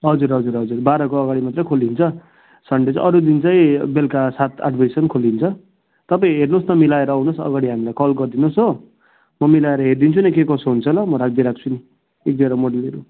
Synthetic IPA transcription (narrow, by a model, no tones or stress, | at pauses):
ɦʌd͡zuɾɦʌd͡zuɾɦʌd͡zurbaɾʌkoʌɡaɽimat̪rʌjkʰold̪int͡sʰʌ | sʌɳɖed͡zʌ̰ɾud̪int͡saĩbelkasat̪ʰa̰ɖbʱajsʌnkʰolint͡sʰʌ | t̪ʌpaĩɦernosnʌmilaeɾʌːwnosʌ̰ɡaɽiɦamilajkʌlɡʌrd̪inosɦo | mʌmilaeɾʌɦerd̪int͡sʰunekekʌsoɦunt͡sʰʌlʌmʌɾak̚ʰd̪iɾak̚ʰt͡sʰuni | ek̚d̪eɾʌmoɽʌleɾu